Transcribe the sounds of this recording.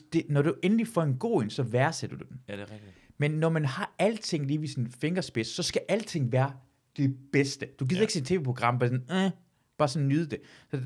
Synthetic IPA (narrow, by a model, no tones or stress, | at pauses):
d̥e̝nɒɾ̥uʔenlifɒe̝nɡ̥o̝̰ːensɒ̽ʋæɐsed̥ɐd̥ud̥en | menːɒmænɦɑ̈æl̰t͡sʰe̝ŋ̰liːʋisinfe̝ŋɐsb̥e̝ssːɒ̽sɡ̥æʔæl̰t͡sʰe̝ŋ̰ʋæːɐ | d̥e̝b̥esd̥əd̥uɡiːð̰ˠeɡ̥sint͡sʰe̝ːʋeːpʰʁoɡ̥ʁɑ̈m̰bɑsn̩ | b̥ɑ̈ːsɒ̽nnːyðˠd̥e̝sɒ̽